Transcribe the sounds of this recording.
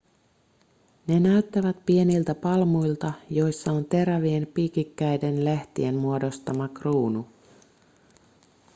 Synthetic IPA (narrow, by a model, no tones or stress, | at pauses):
ne̞næɥt̪ːæʋæt̪pienilt̪æpɑlmujlt̪ɑjo̞jsːɑo̞nt̪e̞ɾæʋie̞npikikːæjde̞nleht̪ḭe̞nmuo̞do̞st̪ɑmɑkruːnu